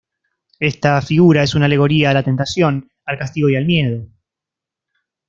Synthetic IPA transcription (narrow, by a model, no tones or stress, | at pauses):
est̪afiɣuɾae̞sunale̞ɣ̞o̞ɾiaːlat̪e̞nt̪asjo̞n | alkast̪iɣ̞o̞jalmje̞ð̞o̞